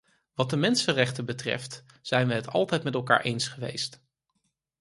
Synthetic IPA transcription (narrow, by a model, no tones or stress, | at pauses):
ʋɑt̚dəmɛnsərɛχtəbətrɛ̰ft | z̥ɛjnʋəɦətɑ̰lˠtɛjtmɛtɛlˠka̰ːɹʔejnsχəʋḛjst